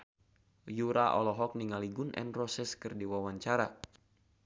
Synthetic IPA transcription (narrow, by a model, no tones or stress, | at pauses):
juɾaʔɔ̰lɔɦɔk̚niŋaliɡunʔɛ̰nrɔsɛskɨrdiwawaɲt͡ʃaɾa